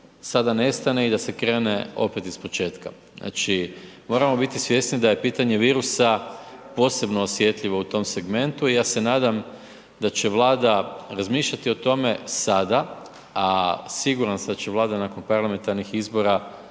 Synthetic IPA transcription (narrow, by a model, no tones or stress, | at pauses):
sad̪ane̞st̪ane̞id̪ase̞kɾe̞ːne̞o̞pe̞t̪ispo̞t͡ʃe̞ːt̪ka | znʔa̰t͡ʃimo̞ɾamo̞bit̪isʋje̞snid̪aje̞piːt̪aɲe̞ʋiːɾusapo̞ːse̞bnoːsʋje̞t̪ʎiʋo̞ut̪o̞mse̞ɡme̞nt̪uijaːse̞naːd̪am | d̪at͡ɕe̞ʋlˠaːd̪aɾazmiːʃʎat̪io̞t̪o̞me̞sad̪a | asiɡuɾansad̪at͡ɕe̞ʋlˠaːd̪anako̞npaɾlˠame̞nt̪aɾnixizbo̞ɾa